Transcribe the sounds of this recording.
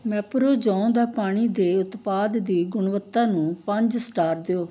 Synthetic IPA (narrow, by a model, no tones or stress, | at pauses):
mɛːpɾoːd͡ʒãːõːd̪aːpaːɽ̃iːd̪eːʊt̪paːd̪d̪iːɡʊɳʋət̪ːãːnũːpəɲd͡ʒsʈaːɾd̪eoː